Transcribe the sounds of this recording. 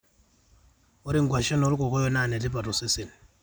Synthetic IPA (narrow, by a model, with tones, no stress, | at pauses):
o˦ɾi˦ŋɡwa˨ʃe˦no˨ɾu˦ko˨kɔ˦jo˦na˨ne˨ti˦pa˨to˨se˦si˨n˨